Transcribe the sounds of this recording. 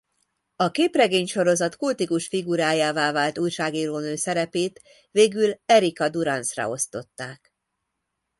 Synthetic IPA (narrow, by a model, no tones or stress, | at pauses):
ɒkeːprɛɡeːɲʃo̞ɾo̞zɒt̪kult̪ikuʃfiɡuɾaːjaːvaːvaːlt̪uːjʃaːɡiːɾoːnøːsɛɾɛpeːt̪ | veːɡylɛɾikɒd̪uɾɒnsrɒ̰o̞st̪o̞t̪ːaːk